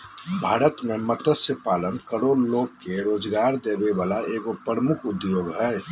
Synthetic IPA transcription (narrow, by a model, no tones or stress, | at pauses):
bʱaːɾət̪memət̪əsəpaːlənkəɾoɾloːkːeɾoːd͡ʒɡaːɾd̪ebeʋaːlaʔeɡopɾəmukʰud̪joːɡɦɛː